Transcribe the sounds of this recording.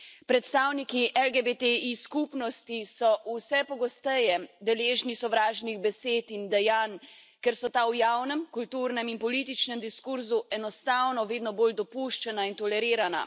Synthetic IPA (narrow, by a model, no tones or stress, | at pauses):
pɾɛt̪st̪aːwnikiʔɛlɡebet̪eiskupnɔst̪isɔʔusɛpɔɡɔst̪ɛjɛd̪ɛleːʒnisɔʋɾaːʒniɣbɛseːt̪ind̪ɛjaːn | kɛɾsɔt̪aːwjaːwnɛmkult̪uːɾnɛminpɔliːt̪̬it͡ʃnɛmd̪iskuɾzuɛnɔst̪awnɔʋeːd̪nɔboːld̪ɔpuʃt͡ʃɛnaint̪ɔlɛɾiːɾana̰